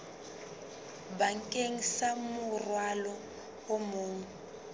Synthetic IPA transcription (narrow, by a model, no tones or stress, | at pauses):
baŋ̩kʼeŋ̩samʊrwalɔ | omuːŋ̩